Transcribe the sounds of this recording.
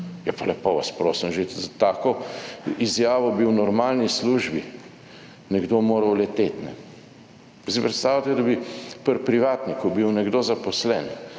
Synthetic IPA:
japalɛpoʋaspɾoːsimʒezat̪aːkɔizjaːʋɔbiwnɔɾmaːlnisluʒbi | nɛɡd̪omoːɾɐwlɛt̪et̪nɛ̰ | sipɾɛt̪st̪aːwlat̪ɛd̪abipəɾpɾiʋaːt̪nikɔbiwnɛɡd̪oːzapɔslɛn

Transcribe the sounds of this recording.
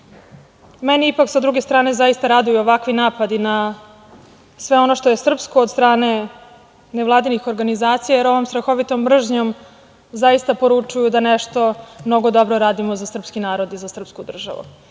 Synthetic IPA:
meniipaksad̪ɾuɡe̞st̪ɾaːne̞zaist̪aɾad̪ujuoʋakʋinaːpad̪ina | sʋe̞o̞noʃt̪o̞je̞sr̩pskoːd̪st̪ɾaːne̞ | neʋlˠaːd̪inixo̞ɾɡanizaːt̪sijajeɾo̞ʋo̞mst̪ɾaxo̞ʋit̪ombr̩ʒɲo̞m | zaist̪apo̞ɾut͡ʂujud̪aneʂt̪o̞mno̞ɡod̪o̞bɾoɾaːd̪imozasr̩pskinaːɾo̞d̪izasr̩pskud̪r̩ʒa̰ʋṵ

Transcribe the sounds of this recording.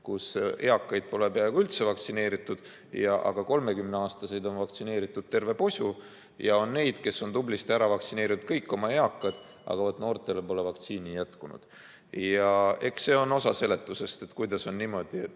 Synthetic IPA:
kuse̞ɑkːɑjd̪̥̚po̞le̞peɑeɡ̥uylt̪se̞vɑkt̪sine̞ːɾit̪ːˑud̪̥ | jɑʔɑ̰ɡ̥ɑko̞lme̞kymneɑːst̪ɑse̞jd̪o̞nvɑkt̪sineːɾit̪ːˑud̪̥̚t̪e̞rve̞po̞sʲu | jɑo̞nːe̞jd̪̥ke̞sːo̞nt̪ublist̪æɾɑvɑkt̪sine̞ːɾiut̪̚kɤjkːˑo̞mɑe̞ɑkːˑɑd̪̥ | ʔɑ̰ɡ̥ɑvot̪ːno̞ːrt̪ˑe̞le̞po̞le̞vɑkt̪siːnijæt̪kunṵd̪̥ | jɑe̞kse̞ːo̞no̞sɑse̞le̞t̪ːˑuse̞st̪e̞t̪kujd̪ɑso̞nːiːmo̞d̪̥iet̪ː

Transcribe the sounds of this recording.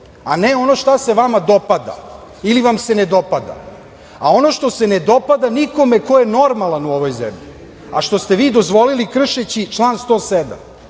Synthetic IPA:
aneo̞no̞ʃt̪aseʋamad̪o̞pad̪a̰ | iliʋamsened̪o̞pad̪a̰ | ao̞noʃt̪ose̞ned̪o̞pad̪aniko̞mekojeno̞ɾmalˠanuo̞ʋo̞jzḛmʎi | a̰ʃt̪o̞st̪e̞ʋiːd̪o̞zʋo̞lilikr̩ʃet͡ɕit͡ʃlˠaːnst̪o̞ːsed̪a̰m

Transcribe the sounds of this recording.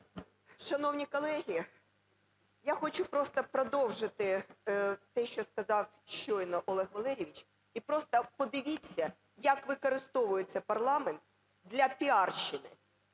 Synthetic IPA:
ʃɐnɔwnʲikɔlˠɛɦʲi | jaxɔt͡ʃʊpɾɔst̪ɐpɾɔd̪ɔwʒɪt̪ɪ | t̪ɛʃt͡ʃɔskɐzɑw | ʃt͡ʃɔjnɔʔɔlˠɛxʋɐlˠɛɾʲiʋʲit͡ʃ | ipɾɔst̪ɐpɔd̪ɪʋʲit͡sʲːɐ | jɐkʋɪkɔɾɪst̪ɔʋʊjet͡sʲːɐpɐrlˠɑment̪̚ | d̪lʲɐpʲiɑrʃɪnɪ̰

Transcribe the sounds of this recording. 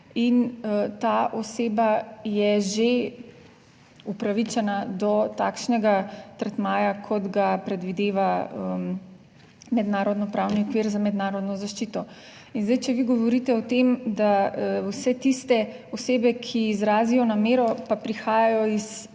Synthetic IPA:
int̪aːʔɔseːbajɛʒe | upɾaʋit͡ʃɛnad̪ɔt̪aːkʃnɛɡat̪əɾt̪maːjakʰɔd̪ɡapɾɛd̪ʋid̪eːʋaəm | mɛd̪naːɾɔd̪nɔpɾawniɔkʋiːɾzamɛd̪naːɾɔd̪nɔzaʃt͡ʃiːt̪ɔ | inzd̪ajt͡ʃɛʋiɡɔʋɔɾit̪ɛɔt̪emd̪awsɛt̪ist̪ɛɔseːbɛkʰiːzɾaːzijɔnameːɾɔpapɾixaːjajɔis

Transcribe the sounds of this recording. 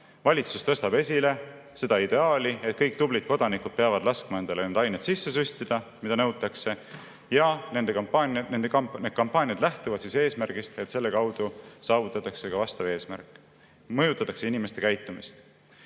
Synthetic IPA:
vɑlʲit̪sust̪ɤ̞st̪ɑb̥e̞sʲile̞ | se̞d̪ɑid̪̥e̞ɑːlʲie̞t̪̚kɤjk̚ˑt̪ublid̪̥̚ko̞d̪̥ɑnikud̪̥̚peɑvɑd̪̥lɑskmɑe̞nd̪̥ɑlenend̪ɑjnet̪sisːe̞s̬ysʲt̪id̪̥ɑmid̪ɑnɤwt̪ːˑɑkse̞ | jɑne̞nd̪̥ekɑpɑnnend̪ened̪̚kɑmpːˑɑːnʲjɑd̪̥læht̪uvɑd̪̥sise̞ːsmærɡ̥ist̪e̞t̪se̞lːe̞kɑwd̪̥usɑːvut̪ːˑɑt̪ːˑɑkse̞kɑvɑst̪ɑve̞ːsmæ̰rkːˑ | mɤjut̪ːˑɑt̪ːˑɑkse̞inime̞st̪e̞kæjt̪ːˑumist̪

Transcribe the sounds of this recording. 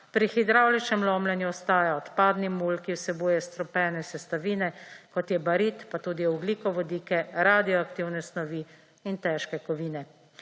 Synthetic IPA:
pɾixid̪ɾaːwlit͡ʃɛmlɔːmlɛnjuɔst̪aːjaɔt̪paːd̪nimulkiwsɛbuːjɛst̪ɾɔpɛːnɛsɛst̪aʋiːnɛkɔt̪jɛbaɾiːt̪pat̪uːd̪iɔɡliːkɔʋɔd̪iːkɛɾaːd̪ijɔakt̪iwnɛsnɔʋi | int̪ɛːʃkɛkɔʋiːnɛ

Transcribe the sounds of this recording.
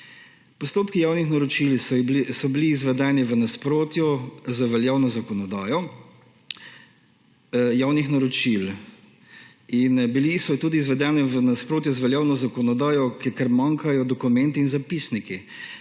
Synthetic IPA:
pɔst̪oːpkijaːwnixnaɾɔt͡ʃilsɔbiliːzʋɛd̪ɛːniʋənaspɾoːt̪jɔzaʋɛljaːwnɔzakɔnɔd̪aːjɔ | jaːwnixnaɾɔt͡ʃil | inbilisɔt̪uːd̪iːzʋɛd̪ɛnɛʋənaspɾoːt̪̬jɔzʋɛljaːwnɔzakɔnɔd̪aːjɔkkɛɾmaŋkajɔd̪ɔkumɛnt̪iːnzapisniki

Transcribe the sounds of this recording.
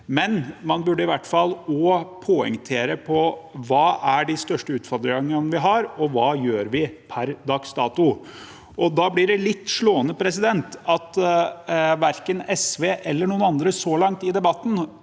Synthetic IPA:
mɛnmɑnbʉɖːəɪʋæʈːfɑlːɔpʰoːɛ̰ŋt̪ʰeːɾəpʰɔʋɑːʔæɖɪst̪œʂʈəʉːt̪fɔɾd̪ɾəŋənəʋɪɦɑɾɔʋɑːjøːɾʋɪpʰæɾd̪ɑkst̪ɑ̰ːt̪ʊ | ʔɔd̪ɑblɪɖɛlɪt̪ːʂɭoːənəpʰɾɛs̬ɪd̪ɛnt̪ɑt̪ | ʋæɾkənɛsʋeːʔɛlːəɳuːənɑnd̪ɾəsɔlɑŋt̪ɪd̪ɛbɑt̪ːn̩

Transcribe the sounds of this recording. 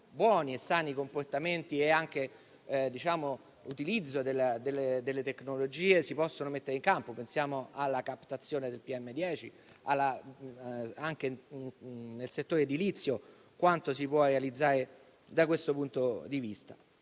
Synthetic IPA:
bwɔːniesːaːnikomport̪ament̪ieaŋk̟e | d̪it͡ʃaːmo | ut̪ilid̪zːod̪elad̪elːed̪elːet̪eknolod͡ʒiːesipɔsːonomet̪ːeɾeiŋkampopensjaːmoʔalːakapt̪at̪sːjoːned̪elpiɛmːed̪jɛːt͡ʃi | alːa | aŋke | nelset̪ːoːɾed̪ilit̪sːjo | kwant̪osipwɔrealid̪zːaːɾe | d̪akwest̪opunt̪od̪ivist̪ḁ̰

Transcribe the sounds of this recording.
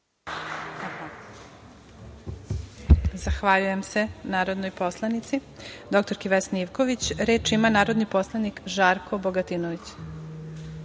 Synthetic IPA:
zaxʋaʎujemse̞naːɾo̞d̪nojpo̞slˠanit̪si | d̪o̞kt̪o̞ɾkiʋesniʋko̞ʋit͡ɕɾeːt͡ʃimanaːɾod̪nipo̞slˠanikʒaːɾkʰo̞boɡat̪iːnoʋit͡ɕ

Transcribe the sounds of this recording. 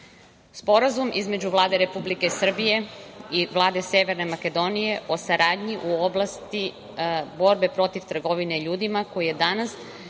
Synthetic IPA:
spo̞ɾazumʔizme̞d͡ʑuʋlˠaːd̪eɾe̞publikeisr̩bije̞iʋlˠaːd̪e̞seʋe̞ɾne̞make̞d̪o̞nije̞ʔo̞saɾaːd̪ɲiʔuo̞blˠast̪i | bo̞ɾbe̞pɾo̞t̪iʋt̪r̩ɡo̞ʋine̞iʎuːd̪imako̞jije̞d̪anas

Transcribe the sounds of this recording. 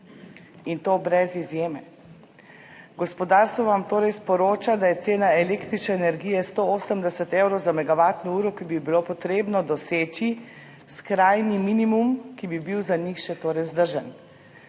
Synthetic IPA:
int̪oːbɾɛzizjeːmɛ | ɡɔspɔd̪aɾst̪ʋɔʋamt̪oːɾɛjspɔɾoːt͡ʃad̪ajɛt̪seːnaɛlekt̪ɾit͡ʃnɛːnɛɾɡijɛst̪ooːsəmd̪ɛsət̪ewɾɔwzamɛɡaʋaːt̪nɔuːɾɔkibibilopɔt̪ɾeːbnɔd̪ɔseːt͡ʃi | skɾaːjniminimumkibibiwzaɲixʃɛt̪oːɾɛjwzd̪əɾʒən

